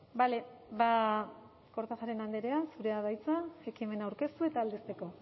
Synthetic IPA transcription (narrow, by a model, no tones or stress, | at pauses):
bale̞βa | ko̞ɾt̪aʝaɾenand̪eɾe̞asuɾe̞að̞ajt͡saekime̞nawɾke̞st̪ue̞t̪aːld̪est̪e̞ko̞